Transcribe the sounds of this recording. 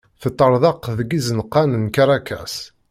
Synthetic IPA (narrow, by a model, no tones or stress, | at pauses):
θət̪ˤːəɾˤðˤɑqðəɡizənqːanənkaɾˤakæ̰s